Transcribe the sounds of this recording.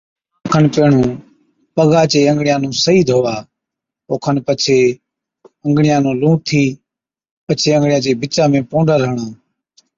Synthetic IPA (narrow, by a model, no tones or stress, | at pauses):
kʰənpeːɳũː | pəɠaːt͡ʃeːəŋɡɽɪjãːnũːsəiːd̪ʱɦoːʋaː | oːkʰənpət͡ʃʰeː | əŋɡɳɪjãːnũːlũːʈt̪ʰiː | pət͡ʃʰeːə̃ŋɡɽɪjãːt͡ʃeːbʱɪt͡ʃãːmẽːpoːɳɖəɾəɦɳãː